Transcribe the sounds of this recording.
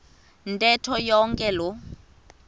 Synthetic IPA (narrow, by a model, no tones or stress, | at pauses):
n̩tʼɛtʰɔjɔŋkʼɛlʊ